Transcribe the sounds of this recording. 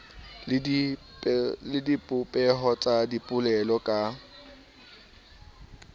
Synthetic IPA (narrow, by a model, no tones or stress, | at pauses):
lɪdipʼʊpʼɛɦɔt͡sʼadipʼʊlɛlɔkʼa